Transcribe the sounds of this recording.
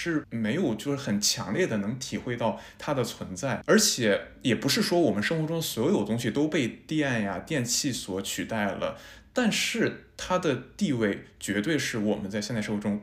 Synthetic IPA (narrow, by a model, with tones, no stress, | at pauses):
ʂɻ̩˥˩me˧˥ɪjo˨˩ʊt͡ɕjo˥˧ʊʂ̩˥˩xə˨˩nt͡ɕʰjɑ̰˧˥ŋljɛ˥˩d̪ə˩nɤ˧˥ŋt̪ʰi˨˩xwe˥˧ɪt̪ɑ˥˩ʊt̪ʰa˥d̪ə˨t͡sʰwə˧˥nt͡sa˥˩ɪə˞˧˥t͡ɕʰjɛ˨˩˦ | jɛ˨˩pu˧˥ʂɻ̩˥˩ʂwɔ˥wɔ˨˩mə˦nʂɤ˥ŋxwɔ˧˥ʈ͡ʂʊ˥ŋswɔ˧˥jo˨˩ʊt̪ʊ˥ŋɕi˨˩t̪o˥ʊpe˥˧ɪt̪i˥˧a˥˩nja˩t̪jɛ˥˧nt͡ɕʰi˥˩swɔ˧˥t͡ɕʰy˨˩t̪a˥˩ɪlə̰˩t̪a˥˧nʂɻ̩˥˩t̪ʰa˥d̪ə˨t̪i˥˧we˥˩ɪt͡ɕɥɛ˧˥t̪we˥˧ɪʂɻ̩˥˩wɔ˨˩mə˦nt͡sa˥˧ɕjɛ˥˧n˥˧ʂwʈ͡ʂʊ˥ŋ